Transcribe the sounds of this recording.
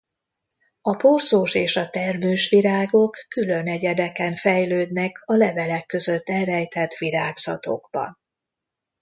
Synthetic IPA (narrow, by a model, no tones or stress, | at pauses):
ɒporzoːʃeːʃɒt̪ɛrmøːʃʋiɾaːɡo̞kːylø̞nɛɟɛd̪ɛkɛɱfɛjløːd̪nɛkʰɒlɛvɛlɛkːø̞zø̞t̪ːɛlrɛjt̪ɛt̪ːʋiɾaːɡz̥ɒ̰t̪o̞̰ɡbɒ̰n